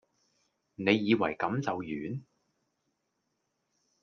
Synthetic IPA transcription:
ne˨˧jːiː˨˧wɐ̰˨˩jkɐ˨˥mt͡sɐ˨wjyː˨˥n

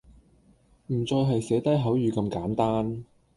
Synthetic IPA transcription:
m̩˨˩t͡sɔː˧jɦɐ˨jsɛː˨˥t̪ɐ˥jɦɐ˨˥wjyː˨˧kɐ˧mkaː˨˥mt̪aː˥n

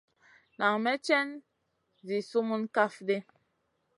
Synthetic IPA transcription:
na˨ŋmɛ˦t͡ʃɛ˦n | zi˨su˦mu˦nka˦fde˦

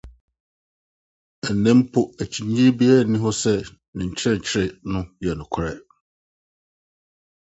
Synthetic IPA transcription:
ɛ˨n˨nɛ̃˦m˦pʰʊ˦æ˨t͡ɕʰi˨ɲ˦ĩ˦ɾbi˦ɛ˦˨nɪ̃˦ɦɔ˦sɛ˦ | nɪ̃˨ɲ̩˨t͡ɕʰɪ˦ɛ˦˨ɲ̩˨t͡ɕʰɪ˦ɾɪ˨nʊ̃˦jɛ˨nʊ̃˨kʰʊ˦ɾɛ˦

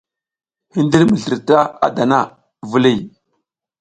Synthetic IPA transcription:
hi˦ndi˦lmə˨ɬə˨ɾta˦a̰˦˨da˨na˦ | vu˨li˦˨

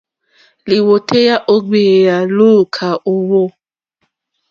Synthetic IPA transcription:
li˨wo˨te˦ja˦ʔo˦ɡ͡be˨ja˨lu˦˨kʰa˨ʔo˦wo˦

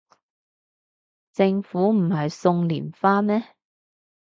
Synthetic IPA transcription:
t͡sɪ˧ŋfuː˨˥m̩˨˩hɐ˨jsʊ˧ŋliː˨˩nfaː˥mɛː˥

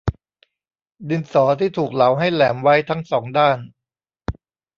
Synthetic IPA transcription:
di˧nsɔː˩˦t̪ʰiː˥˩t̪ʰuː˨˩k̚la˩˦wɦa˥˩jlɛː˩˦mwa˦˥jt̪ʰa˦˥ŋsɔː˩˦ŋdaː˥˩n

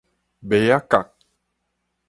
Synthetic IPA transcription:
bɛ˨ja˦ka˨k̚

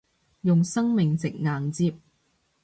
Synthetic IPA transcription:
jʊ˨ŋsɐ˥ŋmɪ˨ŋt͡sɪ˨k̚ŋaː˨ŋt͡siː˧p̚

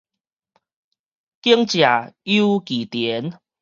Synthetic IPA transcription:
ki˦əŋt͡ɕja˨˩ju˦ki˨˩t̪jɛ˨˦n

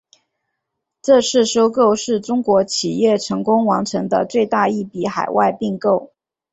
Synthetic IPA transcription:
ʈ͡ʂɤ˥˧ʂɻ̩˥˩ʂo˥ʊko˥˧ʊʂɻ̩˥˩ʈ͡ʂʊ˥ŋkwɔ˧˥t͡ɕʰi˨˩jɛ˥˩ʈ͡ʂʰɤ˧˥ŋkʊ˥ŋwɑ˧˥ŋʈ͡ʂʰɤ˧˥ŋd̪ə̰˧t͡swe˥˧ɪt̪a˥˧i˥˩pi˧˥xa˨˩ɪwʔa˥˧ɪpi˥˧ŋko˥˩ʊ

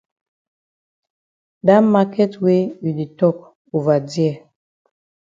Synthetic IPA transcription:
da˦ma˦kɛ˦twe˦i˨di˨tɔ˦˨k̚ | u˨va˨djɛ˦˨

